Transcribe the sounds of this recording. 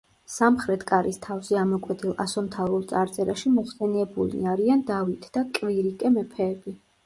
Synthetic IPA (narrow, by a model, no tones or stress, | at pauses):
samχɾɛt̪ʰkʼaɾist̪ʰafziamɔkʼwɛt̪ʰilˠa̰sɔmt̪ʰaɾulˠt̪sʼaɾt̪sʼɛɾaʃimɔχsɛnɛbṵlḭaɾiand̪avit̪ʰd̪̥akʼviɾikʼɛmɛpʰɛːbi